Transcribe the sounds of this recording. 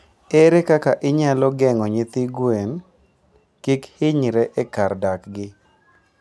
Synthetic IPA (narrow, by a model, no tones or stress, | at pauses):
ɛɾekakaʔɪɲalɔɡɛŋɔɲɪt̪ɪɡwen | kikhɪɲɾɛʔekardakɡɪ